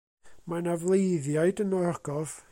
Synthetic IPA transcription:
manavlˠejðjaɨdənɔɔɡ̥ɔð

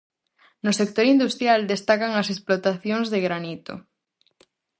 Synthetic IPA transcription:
nosek̚t̪oɾind̪ust̪ɾjald̪est̪akaŋɐsesplot̪aθjoŋzðeɣɾanit̪o̰

